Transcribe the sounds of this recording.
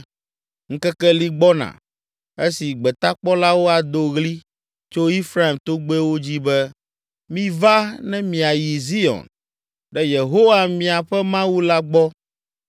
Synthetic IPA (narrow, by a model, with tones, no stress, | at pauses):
ŋ̩˦kɛ˦kɛ˦li˦ɡ͡bɔ˦nã̰˨ | e˦si˨ɡ͡bɛ˨t̪a˦k͡pɔ˦la˦wo˦a˨d̪o˦ɣli˦ | t͡ʃo˦i˦fɾa˦i˨mt̪o˦ɡ͡be˦wo˦d͡ʑi˦bɛ˦ | mĩ˦va˦nɛ̃˦mĩ˨a˨ji˨zi˦ɔ̰˨n | ɖɛ˦je˨ɦo˦wa˨mĩ˨a˨ɸɛ˦mã˦wu˦la˦ɡ͡bɔ˦